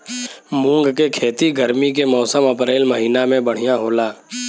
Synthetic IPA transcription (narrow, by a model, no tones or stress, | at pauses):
mũːŋɡkekʰeːt̪iɡəɾmikemɔːsəmɐpɾeːlmɐɦiːnamẽbɐɽ̤ijaɦoːlaː